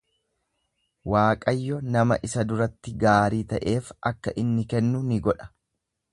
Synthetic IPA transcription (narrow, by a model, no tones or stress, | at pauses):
waːkʼɐjːɔnɐmɐʔɪsɐd̪ʊɾɐt̪ːɪɡaːɾiːt̪ɐʔe̞ːfɐkːɐʔɪnːɪkɛnːʊnɪɡɔᶑɐ̥